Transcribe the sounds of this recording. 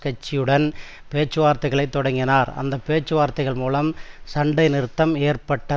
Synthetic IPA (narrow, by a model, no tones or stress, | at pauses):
kɐt͡ʃːɪjɯɽɐn | peːt͡ʃːɯʋaːɾt̪ːɐɪɣɐɭɐɪt̪ːɔɽɐŋɡɪnaːɾɐ̰nd̪ɐpeːt͡ʃːɯʋaːɾt̪ːɐɪɣɐɭmuːlɐmsɐɳɖɐɪnɪɾɯt̪ːɐmeːɾpɐʈːɐ